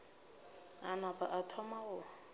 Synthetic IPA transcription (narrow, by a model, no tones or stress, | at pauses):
a̰napaʔatʰɔmaɣʊ